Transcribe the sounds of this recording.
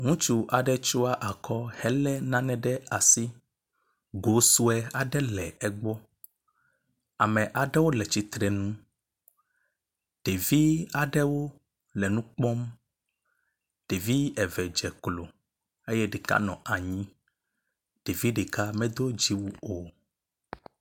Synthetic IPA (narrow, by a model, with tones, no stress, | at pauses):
ŋũ˦t͡ʃu˦ʔa˨ɖɛ˦t͡ʃu˦a˦ʔa˨kʰɔ˦hɛ˦lɛ˦nã˦nɛ̃˨ɖɛ˦a˨si˦ | ɡo˨˦su˦ɛ˦a˨ɖɛ˦lɛ˨ɛ˦ɡ͡bɔ˦ | a˨mɛ̃˨ʔa˨ɖɛ˦wo˦lɛ˨t͡ʃi˦t̪ɾɛ˨nũ˦ | ɖ̥e˨vi˦a˨ɖɛ˦wo˦ | lɛ˨nũ˦k͡pɔ˦m | ɖ̥e˨vi˦ɛ˨vɛ˨d͡ʒɛ˨klo˨ | e˦jɛ˦ɖe˨ka̰˦nɔ̃˨ʔa˨ɲĩ˦ | ɖ̥e˨vi˦ɖe˨ka˦mɛ̃˦d̪o˦d͡ʒi˦wu˦o˨